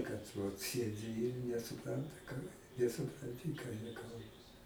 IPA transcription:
kɐt ʋɐt ˈsʲiɛdʲɪ ɪr nʲɛsʊˈprɐntɐ kɐ nʲɛsʊprɐnʲˈtʲɪ kɑː jiɛ ˈkɐlˠbɐ

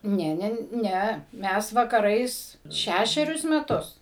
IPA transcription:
ˈnʲɛ ˈnʲɛ ˈnʲæ ˈmʲɛs ʋɐkɐˈrɐɪs ˈʃʲæʃʲɛrʲʊs mʲɛˈtʊs

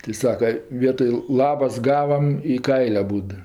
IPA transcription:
tɜ ˈsɑːkɐ ˈʋʲiɛtoːj ˈlˠɑːbɐs ˈɡɑːʋɐm ɪ ˈkɐɪlʲ ɐˈbuːt

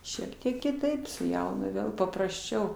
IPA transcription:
ˈʃʲiɛk tʲiɛk kʲɪˈtɐɪp sʊ ˈjɛʊnʊ ˈʋʲeːlˠ pɐprɐsʲˈt͡ʃʲɛʊ

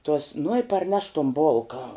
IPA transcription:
tuɔs nʊ ɪ pɐrʲˈnʲɛʃ tuɔm ˈboːlˠkɐ

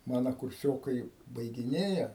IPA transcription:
ˈmɑːnɐ kʊrʲˈsʲoːkɐɪ bɐɪɡʲɪˈnʲeːjɛ

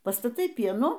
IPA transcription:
pɐstɐˈtɐɪ ˈpʲiɛnuː

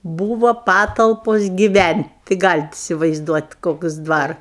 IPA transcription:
ˈbuːʋoː ˈpɑːtɐlˠpoːs ɡʲɪˈʋʲænʲtʲ tɐɪ ˈɡɑːlʲɪt ɪsʲɪʋɐɪzˈduɔtʲ ˈkoːks ˈdʋɐr

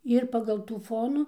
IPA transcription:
ɪr pɐɡɐlˠ ˈtuː ˈfoːnuː

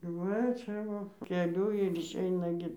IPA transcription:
ˈʋɐ ˈt͡ʃʲɛ ʋoː kʲɛˈlʲʊ ɪr ɪʃʲˈɛɪnɐ ɡʲɪ

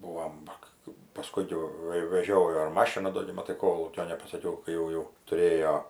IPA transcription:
ˈbuːʋoːm ˈʋɐ kɐ pɐˈskʊn jɛʊ ˈʋɐ ɪ ʋʲɛˈʒʲoːjoː ɪr ˈmɑːʃʲɪnɐ ˈdoː ɡʲɪ mɐˈtɐɪ ˈkoːlˠuːkʲoː nʲɛpɐsɐˈkʲɛʊ kɐɪ ˈjɛʊ ˈjɛʊ tʊˈrʲeːjoː

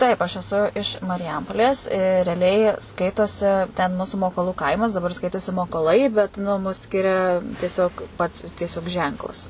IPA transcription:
ˈtɐɪp ɐʃ ɛˈsʊ ɪʃ mɐrʲɪˈjɛmpoːlʲeːs rʲɛɐˈlʲɛɪ ˈskɐɪtoːsʲɪ tʲɛn ˈmuːsʊ moːkoːˈlˠuː ˈkɐɪmɐs dɐˈbɐr ˈskɐɪtoːsʲɪ moːkoːˈlˠɐɪ bʲɛt nʊ mʊs ˈsʲkʲɪrʲɛ tʲiɛˈsʲoːk pɐts tʲiɛˈsʲoːk ˈʒʲɛŋklˠɐs

